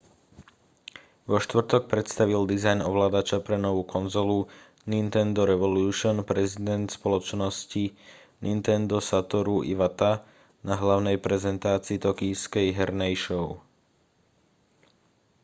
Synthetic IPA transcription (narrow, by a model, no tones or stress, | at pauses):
ʋɔʃt̪ʋr̩t̪ɔk̚pɾɛt̪st̪aʋild̪izajnɔʋlaːd̪at͡ʃapɾɛnɔʋuːkɔnzɔlu | nint̪ɛnd̪ɔɾɛʋɔluːʃɔnpɾɛzid̪ɛnt̪spɔlɔt͡ʃnɔsci | nint̪ɛnd̪ɔsat̪ɔɾuʔḭʋat̪a | naɦlaʊnɛjpɾɛzɛnt̪aːt͡siːt̪ɔkiːskɛjɦɛɾnɛjʃɔʊ